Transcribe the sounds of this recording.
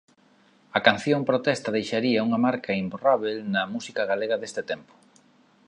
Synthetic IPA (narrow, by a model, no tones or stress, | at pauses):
ɐkan̟θjompɾot̪ɛst̪ɐðejʃaɾiɐuŋɐmaɾkɐimburaβ̞elnɐmusikaɣaleɣɐðest̪ɪt̪ɛmpo̥